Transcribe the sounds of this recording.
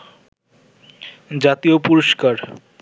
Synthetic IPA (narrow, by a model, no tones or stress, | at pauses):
d͡ʑat̪iopuɾoʃkaɾ